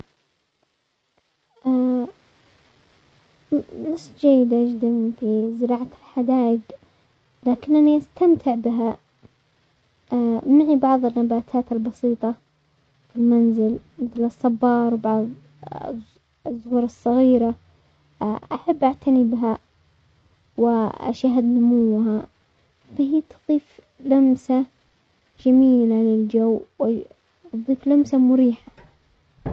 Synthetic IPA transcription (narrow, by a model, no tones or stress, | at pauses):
ʔa | nasˤːd͡ʒajːɪd̪ʔad͡ʒd̪amfizɪɾɑːʕalħad̪aːjɪɡ | laːkɪnʔaniʔast̪amt̪ʰɪʕbɪɦa | maʕibɑʕðˤɪnːabaːt̪ʰaːt̪albɑsiːt̪ˤɑ | fɪlmanzɪlmɪθlɨsˤːɑbːɑːɾˤwbɑʕðˤ | zˤːʊhɾˤɑsˤːɑɣiːɾa | ʔaħabːʔaʕt̪ʰanibɦa | wɪʔa̰ʃaɦad̪nʊmʊwːɦa | fahiːt̪ðˤiːf | lamsa | d͡ʒamiːlalɪld͡ʒawːwɪ | t̪ðˤiːflamsamʊɾiːħa